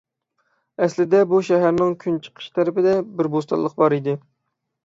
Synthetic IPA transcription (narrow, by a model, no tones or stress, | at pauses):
ɛslɪd̪ɛbuʃæɦæɾnɪŋkʲʰynt͡ʃʰə̥qʰə̥ʃt̪ʰɛɾɪpɪd̪ɛbɪɾbost̪ɑ̰lˠəq̚bɑɾid̪ɪ